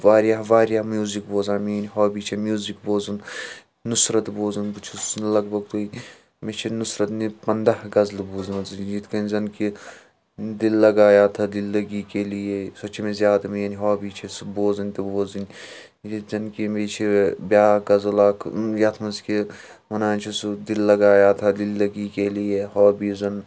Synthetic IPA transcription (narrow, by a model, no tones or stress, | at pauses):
ʋaːɾjaɦʋaːɾjaɦmjuːzikboːzaːmijnʲiɦoːbiːt͡ʃʰemjuːzikboːzɐn | nusɾɐt̪boːzɐnbut͡ʃʰusnlɐɡbɐɡt̪ui | met͡ʃʰinusɾɐt̪nipɐnd̪ahɡɐzlboːznɐzd͡ʒit̪ʰkɐnʲzɐnki | d̪ilːɐɡaːjaːt̪ʰɐd̪ilːɐɡiːkelijesɐt͡ʃʰimẽzjaːd̪ɐmejaːniɦoːbiːt͡ʃʰesboːzɐnʲt̪eboːzɐnʲ | d͡ʒizɐnkimeːt͡ʃʰibjaːɡɐzɐlɐkʰjɐt̪ʰmɐnski | mɐnaːnt͡ʃʰisd̪ilːɐɡaːjaːt̪ʰɐd̪ilːɐɡiːkelijeɦɔːbiːzɐn